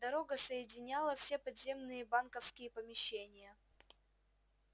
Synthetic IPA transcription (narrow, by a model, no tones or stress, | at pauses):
d̪ɐɾo̞ɡəsəjɪdʲɪnʲalˠəfsʲepɐd̪zʲe̞mnɨjəbankəfskʲɪjəpəmʲɪɕːenʲɪjə